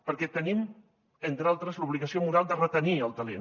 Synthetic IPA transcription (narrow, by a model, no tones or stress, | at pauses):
pəɾkɛt̪ənim | ent̪ɾalˠt̪ɾəzluβliɣəsiomuɾalˠd̪ərət̪əniəlˠt̪əlḛ